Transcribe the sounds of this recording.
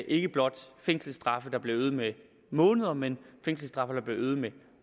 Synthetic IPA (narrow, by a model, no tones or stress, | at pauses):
ʔe̝ɡ̥əb̥lɒ̽d̥feŋ̰sl̩sd̥ʁɑ̈fəd̥ɑ̈b̥le̝øːð̞̩ˠme | mɔ̽ːnəð̞ˠɐmenfeŋ̰sl̩sd̥ʁɑ̈fɐd̥ɑ̈b̥le̝øːð̩ˠme